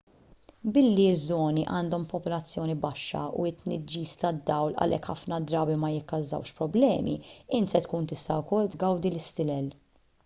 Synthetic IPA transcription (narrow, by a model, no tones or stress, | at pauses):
bɪlːizːɔːniʔɐːnd̪ɔmpɔpɔlɐt͡sːjɔːnibɐʃːɐ̰ṵɪt̪ːnɪd͡ʒːiːst̪ɐd̪ːɐwlɐ̰lʔɛ̰kħɐfnɐd̪ɾɐːbimɐjɪkːɐzːɐ̰wʃpɾɔblɛːmḭɪnt̪sɛt̪kuːnt̪ɪst̪ɐʊkɔlːt̪ɡɐwd̪ilɪst̪ɪlɛl